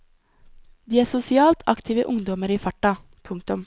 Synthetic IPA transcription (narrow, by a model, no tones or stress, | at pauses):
d̪iːæːsʊsɪɑːlt̪ʰɑ̰kt̪ʰiːʋəʔʊŋd̪ɔməɾiːfɑʈɑ | pʰʊŋkt̪ʊm